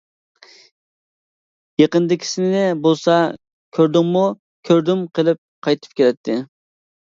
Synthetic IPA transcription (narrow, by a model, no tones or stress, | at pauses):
jeqənd̪ɪkʲʰi̥sɪnɪnɪbolˠsɑ | kʲʰøɾd̪ɪŋmu | kʲʰøɾd̪ymqʰəlˠɪp̚qʰɑjt̪ʰɨ̥p̚kʲʰeɾɛt̪ʰːɪ